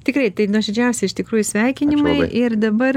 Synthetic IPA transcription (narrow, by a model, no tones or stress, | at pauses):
t̪ʲɪkrɐɪt̪ɐɪnuːʒʲɛd͡ʒʲɛʊsʲeɪʃt̪ʲɪkɾuːjusʲʋʲɛɪkʲɪnʲɪmɐɪʔɪrd̪ɐbɐr